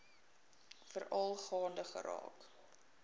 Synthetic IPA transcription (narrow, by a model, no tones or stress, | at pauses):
fəɾɐlˠχɑːndəχə̰ɾɑ̰ːk